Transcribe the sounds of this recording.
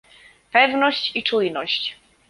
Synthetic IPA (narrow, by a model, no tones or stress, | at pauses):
pɛvnɔɕt͡ɕit͡ʂujnɔɕt͡ɕ